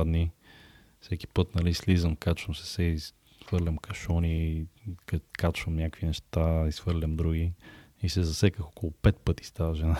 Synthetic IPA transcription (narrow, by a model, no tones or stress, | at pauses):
d̪ni | fsɛkʲi̥pɤt̪nɐlislizəmkat͡ʃvəmsɛ̥sɛ | vɤɾlʲɐmkɐʃɔni | kkat͡ʃvəmnʲakvinɛʃt̪aisfɤɾlʲɐmd̪ɾuɡʲi | isɛzɐsɛkəxɔkolˠopɛt̪̚pɤt̪i̥st̪avɐʒɛna